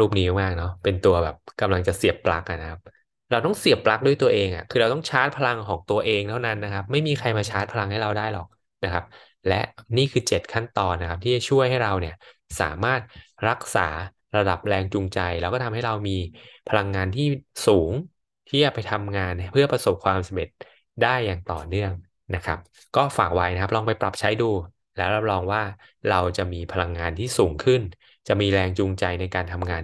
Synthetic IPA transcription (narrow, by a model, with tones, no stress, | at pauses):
ɾuː˥˩p̚niː˦jmaː˥˩k̚nɔ˦˥pe˧nt̪u˧ɐbɛː˨˩p̚ka˧mla˧ŋt͡ɕa˨˩si˨˩əpːla̰˦˥k̚ʔa̰˨˩na˦˥kʰa˦˥p̚ | ɾa˧wt̪ɔ˥˩ŋsi˨˩əpːla˦˥k̚du˥˩əjt̪u˧ɐʔeː˧ŋʔa̰˨˩kʰɯː˧ɾa˧wt̪ɔ˥˩ŋt͡ɕʰaː˦˥t̪̚pʰa˧la˧ŋkʰɔː˩˦ŋt̪u˧ɐʔeː˧ŋt̪ʰa˥˩wna˦˥nːa˦˥kʰa˦˥p̚ma˥˩jmiː˧kʰa˧jmaː˧t͡ɕʰaː˦˥t̪̚pʰa˧la˧ŋha˥˩jɾa˧wdaː˥˩jlɔ̰ː˨˩k̚ | na˦˥kʰa˦˥p̚ | lɛ˦˥ʔniː˥˩kʰɯː˧t͡ɕe˨˩t̪̚kʰa˥˩nt̪ɔː˧nːa˦kʰa˦p̚t̪ʰiː˥˩t͡ɕa˨˩t͡ɕʰu˥˩əjɦa˥˩jɾa˧wni˥˩ɐsa̰ː˩˦maː˥˩t̪̚ɾa˦˥k̚sa̰ː˩˦ | ɾa˧da˨˩p̚ɾɛː˧ŋt͡ɕuː˧ŋt͡ɕa˧jlɛː˦˥wkɔː˥˩t̪ʰmha˥˩jɾa˧wmiː˧pʰa˧la˧ŋːaː˧nt̪ʰiː˥˩suː˩˦ŋ | t̪ʰiː˥˩t͡ɕa˨˩pa˧jt̪ʰa˧mŋaː˧npʰɯ˥˩ɐpɾa˧so˨˩p̚kʰwaː˧msa˧me˨˩t̪̚ | daː˥˩jːaː˨˩ŋt̪ɔ̰ː˨˩nɯ˥˩əŋ | na˦˥kʰa̰˦˥p̚ | kɔː˥˩faː˨˩k̚wa˦˥jna˦kʰa˦˥plɔː˧ŋpa˧jpɾa˨˩p̚t͡ɕʰa˦˥jduː˧ | lɛː˦˥wɾa˦˥p̚lɔː˧ŋwaː˥˩ | ɾa˧wt͡ɕa˨˩miː˧pʰa˧la˧ŋːaː˧nt̪ʰiː˥˩suː˩˦ŋkʰɯ˥˩n | t͡ɕa˨˩miː˧ɾɛː˧ŋt͡ɕu˧ŋt͡ɕa˧jna˧jkaː˧nt̪ʰa˧mŋaː˧n